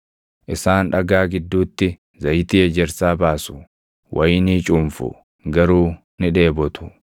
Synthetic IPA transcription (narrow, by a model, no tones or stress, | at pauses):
ʔɪsaːnᶑɐɡaːɡɪd̪ːuːt̪ːɪ | zɐjt̪iːɛd͡ʒɛɾsaːbaːsʊ | wʔɐjɪniːt͡ʃʼuːmfʊ̰ | ɡɐɾuː | nɪᶑe̞ːbɔt̪ʊ̥